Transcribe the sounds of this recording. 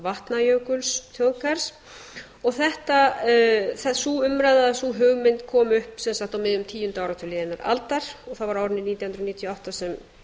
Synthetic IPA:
vaht̪najœwkʏlsθjowðkaɾ̥s | ɔɣθɛht̪a | θɛsuʏmɾajðaðasuɦʏɣmɪnt̪kʰɔːmʏhpsɛnsaxt̪awmɪðʏmt̪ʰiːjʏnt̪awɾawt̪ʰʏlɪːðɪnaɾa̰lt̪aɾ̥ɔɣθavaɾaːwɾɪnɪniːt̪jwhnɾɔniːt̪ʰjɔawht̪asɛm

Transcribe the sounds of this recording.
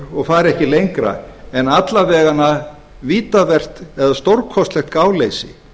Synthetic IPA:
ɔɣfaːɾɛhcɪlejŋkɾa̰ɛnat̪lavɛːɣana | viːt̪avɛr̥t̪ɛðast̪owɾkʰɔst̪lɛxt̪kaːwlejsɪ̰

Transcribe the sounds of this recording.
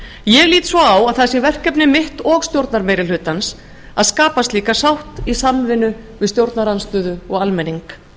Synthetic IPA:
jɛɣliːt̪svɔawaðθasɛvɛr̥kɛpnɪmɪht̪ɔɣst̪jowɾt̪naɾmejɾɪlɦʏt̪ans | aðskaːpast̪liːkasawht̪isamvɪnʏ | vɪðst̪jowɾt̪naɾanst̪ʏːðʏɔɣalmɛniŋk

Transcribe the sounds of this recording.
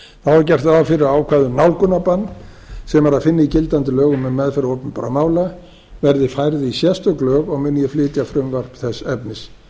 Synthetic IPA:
θawaɾcɛr̥t̪afɪɾɪaːwkʰvaːðʏnawlkʏnːapanː | sɛmaɾaðfɪnːɪicɪlt̪ant̪ɪlœːɣʏmːɛðmɛðfɛɾowpnpa̰ɾamaːwla | vɛɾðɪfajɾðɪisjɛst̪ʏklœːɣaɣmʏnːjɛflɪːt̪jafɾʏmvar̥pθɛsːɛpnɪs

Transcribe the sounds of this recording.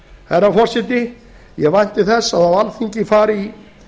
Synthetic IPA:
hɛɾːafɔr̥sɪt̪ɪ | jɛɣvajn̥t̪ɪθɛsːaðavalfiɲcɪfaːɾi

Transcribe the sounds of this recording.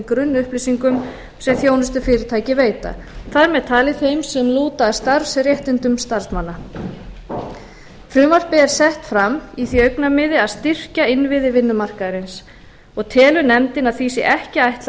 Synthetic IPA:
kɾʏnːʏhplisiŋkʏm | sɛmθjownʏst̪ʏfɪːɾɪɾt̪ʰaːjcɪveːjt̪a̰ | θaɾmɛðt̪ʰaːlɪθejmsɛmluːt̪ast̪aɾsrjɛht̪ɪnt̪ʏmst̪aɾsmanːa | fɾʏːmvar̥pɪɛɾ̥sɛht̪fɾamiθiœɥknamɪðɪaðst̪ɪr̥caɪnvɪðɪvɪnːʏmar̥kaðɾɪns | ɔɣt̪ʰɛːlʏnɛmt̪ɪnaðθiːsɪʔɛhcɪajht̪l

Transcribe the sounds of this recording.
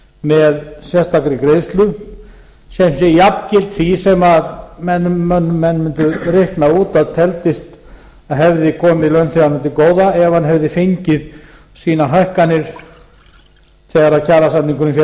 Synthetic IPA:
mɛðsjɛst̪akɾɪkɾeːjst̪lʏ | sɛmsɛjapcɪlt̪θisɛmaðmɛnːmœnːmɛnːmʏnt̪ʏrɪhknaðuːt̪aðt̪ʰɛlt̪ɪst̪ | aðɦɛvðɪkʰɔːmɪilœɥnθɛɣaɾnʏnt̪ɪkoːwðaɛɣvhanɦɛvðɪfeɲcɪð | siːnaɦajhkanɪɾ̥ | θɛɣaɾaðcʰaːɾasamniŋkʏnʏmfjɛ

